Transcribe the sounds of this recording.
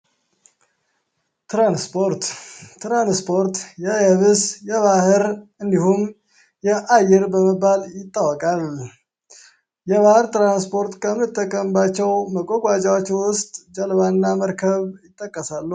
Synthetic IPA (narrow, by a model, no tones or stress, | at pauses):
t̪ɾanspʰoɾt̪t̪ɾanspʰo̞ɾt̪jɛjɛβɨsjɛβahɨɾɨnd̪ihum | jɛʔajɪɾbəməbːaljɪt̪ʼːawɔkʼal | jɛβahɨɾt̪ɾanspʰo̞ɾt̪kʼʰəmːɨt̪ʼːəkʼːəmbat͡ʃːɛwməkʼoɡʷʼat͡ʃʼawot͡ʃːwʊst̪ʼd͡ʒəlβanːaməɾkʰəβjɪt̪ʼːəkʼːəsalːə